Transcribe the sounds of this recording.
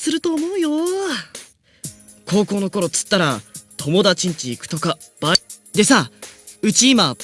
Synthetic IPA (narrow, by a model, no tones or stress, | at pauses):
sɨɾɯ̟t̪o̞ːmo̞ɯ̟jo̞ | kʰo̞ːko̞ːno̞ko̞ɾo̞t͡sɨ̥t̪ːaɾat̪ʰo̞mo̞d̪at͡ɕĩɲ̟t͡ɕiːkɯ̟̥o̞ka | b̥a | d̪e̞saɯ̟t͡ɕiːma